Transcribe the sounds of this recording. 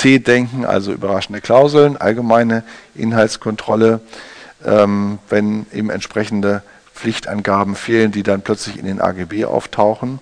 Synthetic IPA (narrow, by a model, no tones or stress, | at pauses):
t͡sʰeːdɛŋkŋ̩ʔa̰lzoʔy̰ːbɐʁaʃn̩dəkl̥aʊzl̩nʔa̰lɡəmaɪnəʔɪ̰nɦaltskʰɔntʁ̥ɔləʔɛːmvɛnʔeːbm̩ɛ̰ntʃpʁ̥ɛçn̩də | p͡flɪçtʔa̰nɡaːbm̩feːləndiːdanpʰl̥œt͡slɪçɪ̰ndeːnʔa̰ːɡeːbeːʔa̰ʊftʰaʊxn̩